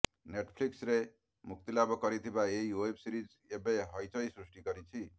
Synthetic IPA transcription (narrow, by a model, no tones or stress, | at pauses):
neʈpʰliksɾe | muk̚t̪ilabʌkʌɾit̪ʰibaejoepʰsiɾid͡z | ebeɦʌjt͡sʰʌjsrusʈiɡʌɾit͡sʰi